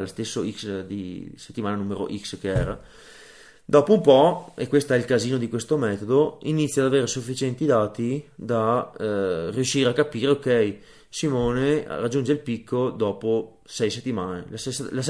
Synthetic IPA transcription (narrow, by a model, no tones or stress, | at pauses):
lost̪esːoiksd̪ise̥t̪ːimaːnanuːmeɾo̰ʔikskeɛːɾa | d̪ɔːpoumpɔekːwest̪oɛilkaziːnod̪ikwest̪omɛːt̪od̪oinit̪sːjad̪aveːɾesufːit͡ʃɛnt̪id̪aːt̪id̪a | riuʃːiːɾeakːapiːɾeokɛj | simoːnerad͡ʒːund͡ʒeilpikːod̪ɔːpo | sɛjset̪ːimaːnelasesːlas